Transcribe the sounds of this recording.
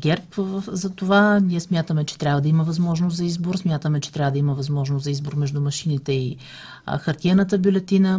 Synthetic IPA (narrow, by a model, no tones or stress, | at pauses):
ɡʲɛɾpzɐt̪ovaniɛsmʲjat̪əmɛt͡ʃɛ̥t̪ɾʲabvəd̪ɐiməvɐzmɔʒnoszɐizboɾsmʲjat̪əmɛt͡ʃɛ̥t̪ɾʲavəd̪ɐiməvɐzmɔʒnoszɐizboɾmɛʒd̪umɐʃinit̪ɛḭ | xɐɾt̪ʲiɛnət̪̬əbʲjulɛt̪inə